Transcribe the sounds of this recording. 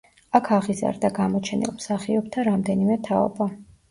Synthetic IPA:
akʰaʁiza̰ɾd̪aɡamɔt͡ʃʰɛnḭlˠmsaχiɔb̚t̪ʰaɾamd̪ɛnimɛt̪ʰaɔ̰ba

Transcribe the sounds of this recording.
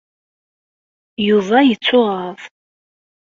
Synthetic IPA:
juðˤɑjət͡sːʊʁɑðˤ

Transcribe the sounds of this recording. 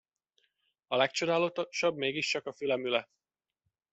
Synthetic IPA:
ɒlɛkt͡ʃo̞d̪aːlot̪oʃɒbmeːɡiʃt͡ʃɒkɒfylɛmylɛ

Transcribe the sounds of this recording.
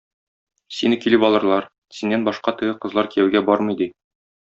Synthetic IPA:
sinɘkilɘpɒlˠɤ̆ɾlˠɑɾ | sinːænbɒʃqɑt̪ɘ̆ɡɘqɤ̆zlˠɑɾkijæwɡæbɒɾmɤ̆jd̪i

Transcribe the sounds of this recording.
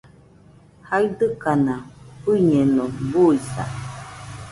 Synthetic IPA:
haid̪ɨkanapɨɲenobuisa̰

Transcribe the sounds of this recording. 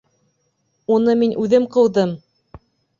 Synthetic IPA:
unɤminʔʉðɘmqɤ̆wðɤm

